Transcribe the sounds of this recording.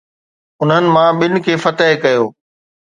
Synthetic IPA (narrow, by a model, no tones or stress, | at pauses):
ʊn̤ɦənɪ̆mãɓɪnɪ̆kʰeːfɐt̪əɦɪkɐjoː